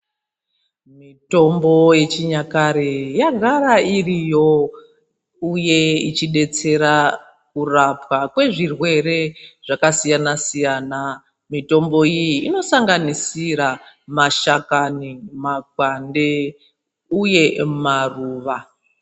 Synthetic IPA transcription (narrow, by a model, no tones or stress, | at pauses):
mito̞mbo̞je̞t͡ʃiɲakaɾejaɡʱaɾairijo̞ | uje̞it͡ʃiɗe̞t͡se̞ɾa | kurapwakwe̞ʐirwe̞ɾe̞ʐakasijanasijaːna | mito̞mbo̞ijiːno̞saŋɡanisiɾamaʃakanimaɡʱwande̞ | uje̞maruːʋa